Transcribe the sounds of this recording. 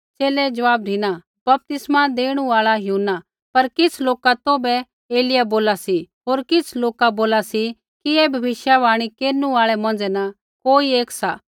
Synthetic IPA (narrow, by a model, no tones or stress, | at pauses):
t͡ʃeːlɛd͡ʒɐʋaːb̚d̪ʱina | bɐp̚t̪ɪsmad̪eːɽ̃ũaːɭajuːnːa | pɐɾkɪt͡sʰloːkat̪obɛ | eːlɪjaboːlasiɦoːɾkɪt͡sʰloːkaboːlasi | kiɛbʱɐbɪʃjaʋaːɽ̃ikeːɾnũaːɭɛmɐ̃nd͡zɛna | koːieːksaː